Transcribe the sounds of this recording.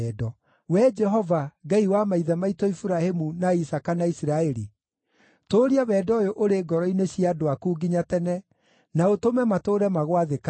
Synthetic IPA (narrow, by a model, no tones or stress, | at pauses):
ɛdɔ | wɛd͡ʒɛɦɔvaɡaiwamaiðamaitɔifuɾahemunaisakanaisiɾaɛɾi | toɾiaβɛːdɔjoʔoɾeɡɔɾɔineɕiadoakuːɡiɲatɛnɛ | naotomɛmatoːɾɛmaɣwaðeka